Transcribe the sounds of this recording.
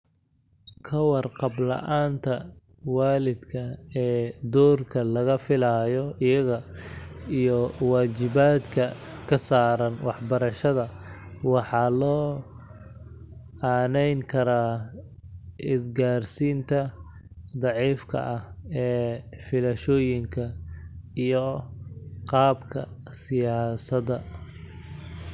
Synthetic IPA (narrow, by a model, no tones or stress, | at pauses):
kʰɐwɑrqɑblɐ̰ʔaːnt̪ʰɐ | waːlɪd̪kʰɐɛːd̪ɔːrkʰɐlɐɣɐfɪlajɔɪjɐɣɐ | ijɔwaːt͡ʃɪβaːd̪kʰɐkʰɐsaːɾɐnwɑħbɐɾɐʃɐðɐwɑħɑːlɔː | aːnɛjŋkʰɐɾaː | ɪsɡaːrsiːnt̪ʰɐ | d̪ɑʕiːfkʰɐ̰ʔɐhɛːfɪlɐʃɔːjɪŋkʰɐ | ijɔ | qɑːbkʰɐ̰ | sɪjaːsɐd̪ɐ